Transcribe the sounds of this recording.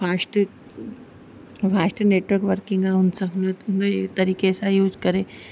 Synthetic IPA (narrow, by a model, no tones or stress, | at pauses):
fasʈ | fasʈneʈʋəɾkʋəɾkiŋɡaɦunsəknət̪unət̪ɐɾiːkesajuːd͡zkəɾe